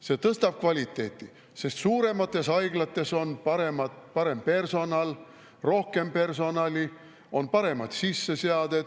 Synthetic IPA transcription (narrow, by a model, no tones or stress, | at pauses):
se̞ːt̪ɤst̪ɑb̥̚kvɑlʲit̪ˑːe̞ːt̪ˑːi | se̞st̪suːɾe̞mɑt̪ːˑe̞sɑjɡ̥lɑt̪ːˑe̞so̞npɑɾe̞mɑt̪pɑɾe̞mpe̞rso̞nɑl | ro̞hke̞mpe̞rso̞nɑlʲi | o̞npɑɾe̞mɑd̪̥sisːe̞seɑd̪̥e̞d̪̥